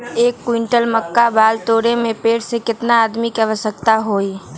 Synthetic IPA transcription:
eːkːwɪ̃ɳʈəlməkːabaːlt̪oːɽemẽpeːʈsekɪt̪naaːd̪mikəʋəsəkt̪aɦoːi

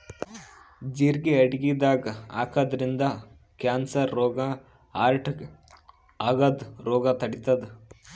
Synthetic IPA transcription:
d͡ʒiɾɡeɐɽɡid̪aːɡɐa̰ːkɐd̪ɐɾind̪ɐ | kaːnsɐɾːɔːɡɐ | aːɾʈ | aːɡɐd̪ɾɔːɡɐt̪ɐɽit̪ɐd̪e

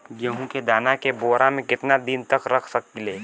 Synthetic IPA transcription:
ɡəɦũked̪aːnakeboːɾamẽkɪt̪nad̪ɪnt̪ɐkɾɐkʰsɐk̚ːɪleː

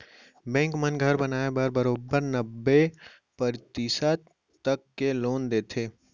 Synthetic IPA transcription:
bɛ̃ːŋkmənɡʱəɾbɐnaːebəɾbəɾoːbəɾnəbːe | pəɾɪt̪isa | t̪əkːeloːnd̪eːt̪ʰeː

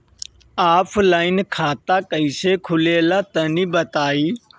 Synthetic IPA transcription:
aːpʰlaːɪnkʰaːt̪aːkəiːseːkʰʊleːlaːt̪ənĩːbət̪aːiː

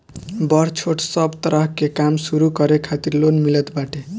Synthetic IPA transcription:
bʌɾt͡ʃʰoʈsʌbt̪ʌɾʌɦkekamsuɾukʌɾekʰat̪iɾlonmilʌt̪baʈe

